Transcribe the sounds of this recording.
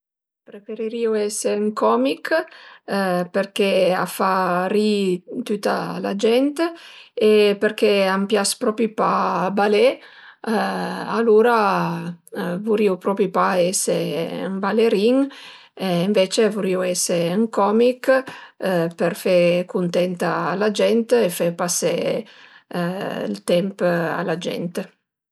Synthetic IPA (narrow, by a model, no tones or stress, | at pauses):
pɾefeɾiɾiuɛseyŋkɔmik | peɾkea̰faɾit̪yt̪a̰la̰d͡ʒɛnt̪eepeɾk̟eampjaspɾɔpipabale | aluɾa | vuɾiupɾɔpipaɛsḛŋbaleɾiŋ | iɱvet͡ʃevuɾiwɛseyŋkɔmik | perfekunt̪ɛnt̪aːlad͡ʒɛnt̪efepase | lt̪ɛmpa̰lad͡ʒɛ̰nt̪